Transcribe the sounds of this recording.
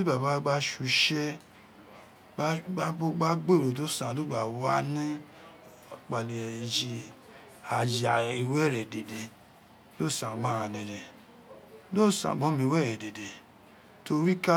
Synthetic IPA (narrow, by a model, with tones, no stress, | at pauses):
i˦ba˨ba˨˦ɡ͡ba˦ʃu˧ʃɛ˦ | ba˦a˦o˦ɡ͡ba˦ɡ͡be˦˨ɾo˨to˦sã˨o˦ɡ͡ba˨wa˦nĩ˦ | k͡pa˨nĩ˨ɛ˨d͡ʒi˧ | a˨d͡ʒi˨a˨i˧wɛ˦˨ɾɛ˨de˨de˨ | lo˦˨sã˨ɡ͡bã˦ɾã˧˨lɛ̃˨ɾɛ˨ | lo˦˨sã̰˨ɡ͡bɔ̃˨˦mĩ˧wɛ˦˨ɾɛ˨de˨de˨ | to˧ɾi˦ka˦